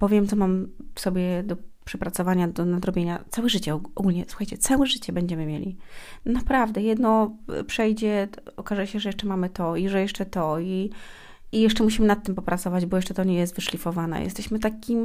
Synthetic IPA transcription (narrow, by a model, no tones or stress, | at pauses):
pɔvʲjɛmt̪sɔmamfsɔbʲjɛd̪ɔpʂɛpɾat̪sɔvaɲad̪ɔnad̪ɾɔbʲjeɲat̪sawɛʐɘt͡ɕɛɔɡulʲɲɛswu̥xajt͡ɕɛt̪sawɛʐɘt͡ɕɛbɛɲd͡ʑɛmɘmʲjelʲḭnapɾavd̪ɛjɛd̪nɔpʂɛjd͡ʑɛɔkaʐɛɕɛʐɛjɛʂt͡ʂɛmamɘt̪ɔiʐɛjɛʂt͡ʂɛt̪ɔi | ijɛʂt͡ʂɛmuɕ̬imɘnat̪ːɘmpɔpɾat̪sɔvad͡ʑbɔjɛʂt͡ʂɛt̪ɔɲɛjɛst̪vɘʂlʲifɔvanɛ̰jʔɛ̰st̪ɛɕmɘt̪akʲim